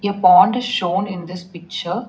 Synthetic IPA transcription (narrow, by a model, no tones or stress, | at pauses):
epɔ̃ːɳʈɪz̥ʃõːnɪ̃nd̪ɪspɪk̚t͡ʃəɾ